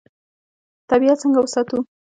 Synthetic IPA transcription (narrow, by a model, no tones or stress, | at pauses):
t̪abijat͡səŋɡawʊsat̪u